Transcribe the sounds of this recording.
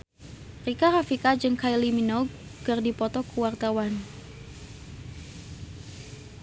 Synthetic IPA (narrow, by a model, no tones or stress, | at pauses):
rikaɾafikad͡ʒɨŋkailiminɔkɨrdipɔt̪ɔkuwart̪awan